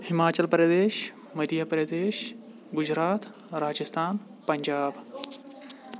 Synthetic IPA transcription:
himaːt͡ɕɐlpəɾjɐd̪eːʃ | mɐd̪jɐpəɾɐd̪eːʃ | ɡʊd͡ʑɾaːt̪ | ɾaːd͡ʒɐst̪ʰaːn | pɐɲd͡ʒaːb

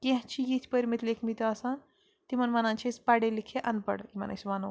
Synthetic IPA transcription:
kẽɦt͡ʃʰijit̪ʰpəɾimit̪lekʰmit̪ɐsɐn | t̪imɐnmanant͡ʃʰispaɖelikʰeʔɐnpə̰ɽkimɐ̰nʔɐ̰t͡ʃʰimanu

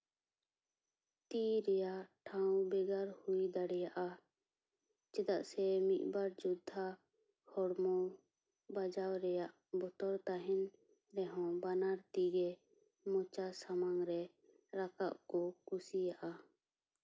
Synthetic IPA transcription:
t̪iɾɛjaʔʈʰawbɛɡaɾhujd̪aɽɛjaʔa | t͡ʃɛd̪aʔsɛmit̪̚baɾd͡ʒud̪ʱːa | hɔɽmɔ | bad͡ʒawɾɛjaʔ | bɔt̪ɔɾt̪aɦɛn | ɾɛɦɔ̃banaɾt̪iɡɛ | mɔt͡ʃasamaŋɾɛ | ɾaka̰ʔkɔkusijaʔa

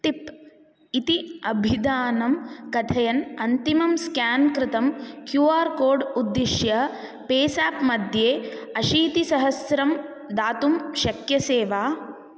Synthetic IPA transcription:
ʈ̪ip | it̪iɐbʱid̪aːnɐmkɐt̪ʰɐjɐnɐnt̪imɐmskaːnkɾɪt̪ɐmkjuːaːɾkoːɾɖud̪ːiʃjɐpeːsaːpmɐd̪ʱjeːɐʃiːt̪isɐɦɐsɾɐm | d̪aːt̪umʃɐkjɐseːʋaː

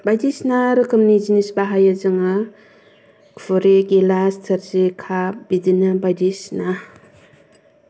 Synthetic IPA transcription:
bajdisnaɾɯkʰɯmnizinisbaɦajazɯŋa | kfʰɔɾeɡilastʰaɾzekʰabidinɯbajdisna

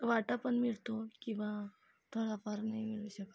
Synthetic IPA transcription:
ʋaʈapəɳmiɭt̪okĩʋa | t̪ʰoɽapaɾnaɦĩmiɭuɕək

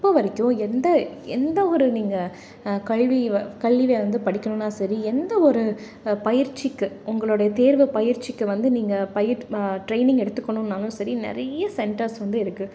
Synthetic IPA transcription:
ɪpːoːʋɐɾɪkʲːʊ̃ɛnd̪ɐ | ɛnd̪ɐɔɾɯniːŋɡɐ | kɐɭʋikɐɭːiʋeːʋɐnd̪ɯpɐɽɪkːɐɳʊ̃nːaːsɐɾiɛnd̪ɐɔɾɯ | pɐjɪɾt͡ʃːikːɯʊŋɡɐɭoːɽɐjɐt̪eːɾʋɯpɐjɪɾt͡ʃːɪkːɯʋɐnd̪ɯniːŋɡɐpɐjɪɾʈɾeɪnɪ̃ŋɡɛɽɯt̪ːɯkːɐɳʊ̃nːaːlʊ̃sɐɾinɪ̰ɾɐjɐsɛɳʈɐɾsʋɐnd̪ɯɪɾɯkːɯ

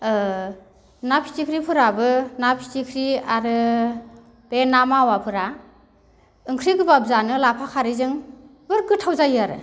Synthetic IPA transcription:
napʰi̥tikʰɾipʰɯɾabɯnapʰi̥tikʰɾiaɾɯ | b̥enamawapʰɯɾa | ɯŋkʰɾiɡɯbab̚zanɯlapʰakʰaɾizɯŋ | bɯɾɡɯtʰawzajaɾɯ̰

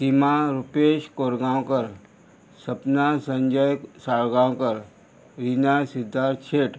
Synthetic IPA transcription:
simaɾupeːʃkoːɾɡaːõkəɾ | səpnasə̃ɲd͡ʒəjsaːɭɡaːõkəɾ | ɾinasɪd̪ʱːaːɾt͡ʃʰeːʈ

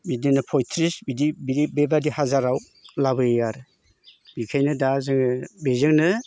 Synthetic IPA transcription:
bidinɯpʰɔjtʰɾisbidibiɾibebadihazaɾaw | labɯejaɾɯ | bikʰajnɯdazɯŋbezɯŋnɯ

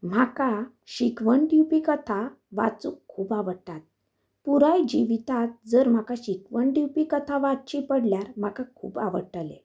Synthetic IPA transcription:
m̤aka | ɕikʋəɳʈjupikət̪ʰa | ʋa̰t͡sukʰːuːbaʋəɾʈːat̪̚ | puɾajd͡ʑiʋit̪at̪̚d͡zəɾm̤akaɕikʋəɳʈjipikət̪ʰaʋat̚t͡ɕipəɽljaɾm̤akakʰṵːba̰ʋə̰ʈəlḛ

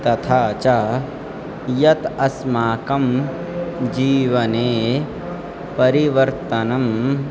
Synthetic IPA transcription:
t̪ɐt̪ʰaːt͡ʃaː | jɐt̪ɐsmaːkɐm | d͡ʒiːʋɐneː | pɐɾiʋɐɾt̪ɐnɐm

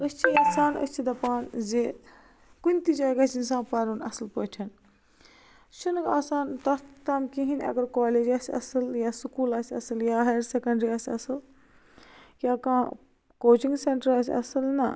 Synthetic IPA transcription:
əst͡ʃʰiaːsaːnɐ̰st͡ʃʰid̪ɐpaːnze | kunʲt̪id͡ʒaːɡɐsinsãːpɐɾunɐsɨlpoːʈʲʰɐn | t͡ʃʰunɨkaːsaːnt̪ɐt̪aːmkiɦinʲɐ̰ɡɐɾkaːleːd͡ʒaːsʲiɐ̰sɨljaːsukuːlaːsʲɐsɨljaːɦɐjɾsekɐɳɖɾiaːsʲɐsɨl | jaːkãː | koːt͡ʃĩŋɡseɳʈəɾaːsʲiɐ̰sɨlnɐ̰

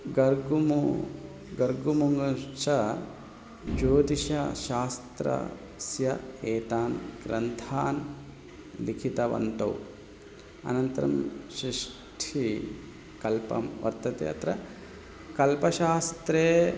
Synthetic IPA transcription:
ɡɐɾɡumu | ɡɐɾɡumuŋɡɐt͡ʃɐ | d͡ʒoːd̪iʃɐʃaːst̪ɾɐ̰ | sjɐeːt̪aːnɡɾɐnt̪ʰaːn | likʰit̪ɐʋɐ̰nt̪ɐ̰wu | ɐ̰nɐnt̪ɐɾɐ̰mʃɾiʂ | ʈʰi | kɐlpɐ̰mʋɐ̰ɾt̪ɐt̪ḛɐ̰t̪ɾɐ | kɐlpɐʃaːst̪ɾeː

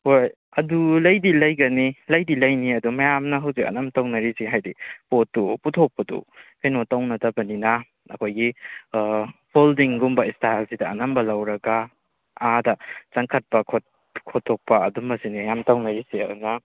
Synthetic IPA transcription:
hoj | ɐdulɐjdilɐjɡɐnilɐjdilɐjniɐdumɐjamnɐɦawsikɐ̰nɐmtawnɐɾisiɦajdipotːuputʰok̚pɐdṵkajnotawnɐtɐbɐninɐ | ɐ̰kʰojɡi | pʰoldiŋɡumbɐistajlsidɐːnɐmbɐlɐwɾɐɡa | adɐt͡ʃaŋkʰɐt̚pɐkʰot | kʰotʰːok̚pɐɐdumːɐsinijamtawnɐɾisiɐunɐ

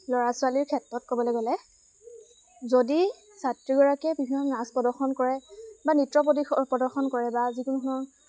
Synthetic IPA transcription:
lɔɹasʊaliɹkʰɛtɹɔt̚kɔbɔlɔɡɔlɛ | zodi | satɹiɡɔɹakɛbibʱinːɔnazpɔdɔɹxɔnkɔɹɛbanitɹɔp̬otiɔpɔdɔɹxɔnkɔɹɛbazikunukunɔ

